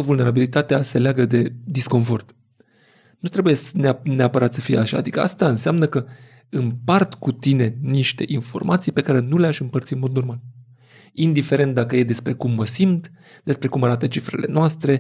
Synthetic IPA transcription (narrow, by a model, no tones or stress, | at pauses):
vulne̞ɾabilit̪at̪ease̞leaɡəd̪e̞d̪isko̞nfo̞rt̪ | nut̪ɾe̞buje̞neneapəɾat̪səfijḛaʃa̰ad̪ikə̰ʔast̪aɨnseamnəkə | ɨmpart̪kut̪ine̞niʃt̪e̞̰ʔinfo̞̰rmʔat̪sijpe̞kaɾe̞nuleaʃɨmpərt̪siɨnmo̞d̪no̞rmal | ind̪ife̞ɾe̞nt̪̚d̪akəje̞d̪e̞spɾe̞kumːəsimt̪ | d̪̥e̞spɾe̞kumaɾat̪ət͡ʃifɾḛle̞̰noast̪ɾe̞